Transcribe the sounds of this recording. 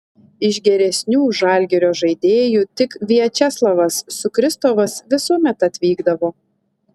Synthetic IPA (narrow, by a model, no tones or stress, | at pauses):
ɪʒɡʲɛɾʲɛsʲnʲuːʒɑˑlʲɡʲɛɾʲoːʒɐɪd̪ʲeːjuːt̪ʲɪkʋʲiɛt͡ʃʲɛslˠɐʋɐsːʊkɾʲɪst̪oʋɐsʋʲɪsuɔmʲɛt̪ɐt̪ʲʋʲiːɡd̪ɐʋoː